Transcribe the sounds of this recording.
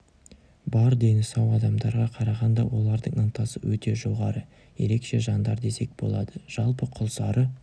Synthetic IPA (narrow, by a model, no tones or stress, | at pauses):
bɑɾd̪e̞nɪsɑwɑd̪ɑmd̪ɑɾʁɑqʰɑɾɑʁɑnd̪ɑwo̞lˠɑɾd̪əɴənt̪ɑsəwɵt̪e̞ʒo̞ʁɑɾə | je̞̰ɾe̞kʃe̞ʒɑnd̪ɑɾd̪e̞se̞k̚b̥o̞̰lˠɑd̪əʒ̥ɑlˠpəqʰʊlˠsɑɾə